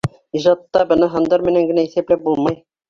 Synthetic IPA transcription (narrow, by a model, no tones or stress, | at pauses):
iʒɑt̪ːɑbɤ̆nɤɦɤ̆nd̪ɑɾmɘ̆næŋɡɘ̆næiθæplæp̚bulˠmɑj